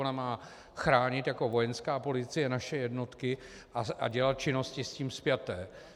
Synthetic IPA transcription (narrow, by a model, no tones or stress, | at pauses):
onamaː | xɾaːɲɪt̪jako̞vo̞jɛnskaːpo̞lɪt͡sɪjɛnaʃɛjɛdno̞t̪kɪ | ʔaa̰ɟɛlat̪̚t͡ʃɪno̞scɪsciːmspjat̪ɛː